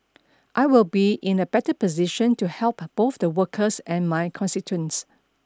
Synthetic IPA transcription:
ʔaɪwɪlbiʔɪ̃nəbɛtəpɔziʃə̃ntuhɛlˠpb̥oθdəwəkʰəsɛ̃nmajkʰɔ̃nstitʰuə̃ns

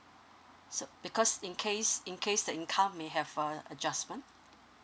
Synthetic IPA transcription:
sob̥ikʰɔsĩnkʰesĩnkʰesdəĩnkʰãʊ̃mmeɦɛvəəd͡ʒasmə̃nt

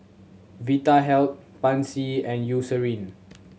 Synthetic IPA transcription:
vitaɦɛlt̚pãnsiɛ̃njusəɹĩn

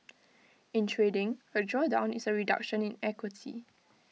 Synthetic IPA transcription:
ɪ̃ntʰɹedɪ̃ŋəd͡ʒɔdãʊ̃nisəɹida̰kʃə̃nĩnɛkwitʰḭ

